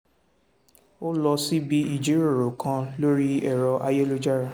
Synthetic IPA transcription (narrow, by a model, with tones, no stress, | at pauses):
o˦lɔ˧si˦bi˦i˨d͡ʒe˨˦ɾo˦˨ɾo˨kã˧lo˦ɾi˦ɛ˦˨ɾɔ˧ʔa˧je˦lo˦d͡ʒa˦ɾa˦˨